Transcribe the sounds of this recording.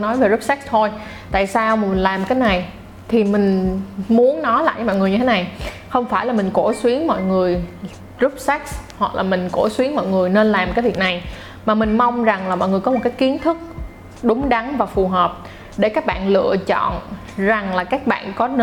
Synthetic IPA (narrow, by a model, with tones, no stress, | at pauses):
nɔ˨˦jve˨˩zu˦˥p̚sɛ˦˥k̚t̪ʰo˧j | t̪a̰ː˧˨jsaː˧wmaː˨˩mï˨˩ŋ̟laː˨˩m˨kaː˨˦jna˨˩j | t̪ʰi˨˩mï˨˩ŋ̟mu˨˦ənːɔ˨˦jla̰ː˧˨ʔaː˨˦mɔ̰˧˨ŋɨ˨˩əɲɨ˧t̪ʰe˨˦na˨˩j | xə˧wŋ͡mfaː˧˩jlaː˨˩mi˨˩ŋ̟ko˧˩swi˨˦əŋmɔ̰˧˨jŋɨ˨˩əj | zu˦˥p̚sɛ˦˥k̚shwa˨˩k̚lʔaː˨˩mï˨˩ŋ̟ko˧˩swi˨˦əŋmɔ̰˧˨jŋɨ˨˩əjne˧nlaː˨˩mkaː˨˦jvi˨˩ək̚na˨˩j | maː˨˩mï˨˩ŋ̟ma˧wŋ͡mza˨˩ŋlaː˨˩mɔ̰˧˨jŋɨ˨˩əjkɔ˨˦m˨˩t̚kːaː˨˦˥jki˨˦ənt̪ʰɨ˦˥k̚ | ɗʊ˨˦ŋ͡mɗa˨˦ŋvaː˨˩fu˨˩ɦəː˨˩p̚ | ɗe˧˩kaː˦˥k̚ɓa̰ː˧˨nlɨ̰˧˨ət͡ɕɔ̰˧˨n | za˨˩ŋlaː˨˩kaː˦˥k̚ɓa̰ː˧˨nkɔ˨˦n